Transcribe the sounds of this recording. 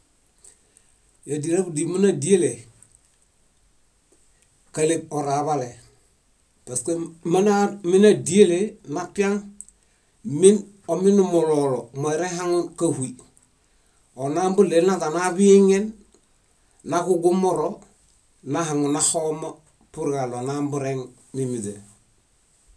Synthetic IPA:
jadiɾabdimunadiele | kaleb̚oɾaβale | paskemanaminadielenapiaŋ | min | ominumololomoeɾeɦaŋunkahui | onaːmbulenatanabiŋen | akuɡumoɾo | naɦaŋunaxoma | puɾɡalonambuɾeŋ | mimite

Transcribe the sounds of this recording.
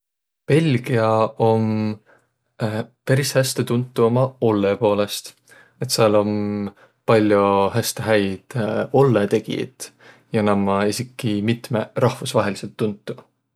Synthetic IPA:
pe̞lʲɡ̥iɑo̞m | pæɾishæst̪et̪unt̪ːˑuo̞mɑo̞lːepo̞ːle̞st̪ | e̞t̪siɑlo̞m | pɑlʲːjohæst̪eɦæjd̪̥o̞lːet̪e̞ɡ̥ḭḛt̪ˑ | jɑnɑmːɑesikːˑimit̪merɑhvusvɑɦe̞lise̞lt̪ːunt̪ːˑu

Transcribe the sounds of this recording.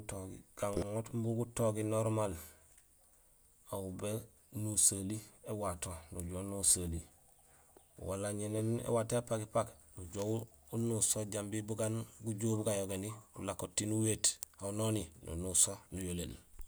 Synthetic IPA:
toɡḭɡ̥aŋŋotmbuɡutoɡinoɾmal | aube | nusaliewatonuɟonusali | wa̰laɲenenḛwataepakipaknuɟow | unusoɟambibuɡanɡuɟoːbuɡajoɡeniṵlakːotːinuweːtaunoninṵnusonujolḛl

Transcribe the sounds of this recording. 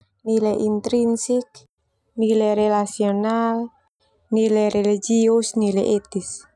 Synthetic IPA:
nilɛʔint̪ɾinsik̚ | nilɛɾelasional | nilɛɾelid͡ʒiusnilɛʔet̪is

